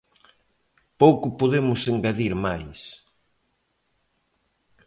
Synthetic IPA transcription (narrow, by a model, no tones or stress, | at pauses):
powkʊpoðemʊseŋɡaðiɾmajs